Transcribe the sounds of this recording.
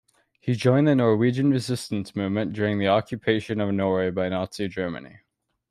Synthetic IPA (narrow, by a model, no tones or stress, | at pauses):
hid͡ʒɔ̃ɪ̃nðɨnɔɹwid͡ʒɨ̃nɹɨzɪstɨ̃n̩smʉvmɨ̃nd̥ʊɹɪ̃ŋðiɑkʰjɨpʰeɪʃɨ̃nʌvnɔɹweɪbaɪnɑtsid͡ʒɜ˞mɨ̰̃nḭ